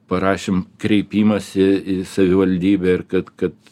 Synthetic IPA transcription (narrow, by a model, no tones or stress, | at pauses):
pɐɾɑːʃʲeːmkɾʲɛɪpʲiːmɐsɪɪsɐʋʲɪʋɐlʲd̪ʲiːbʲɛɪrkɐt̪kɐt̪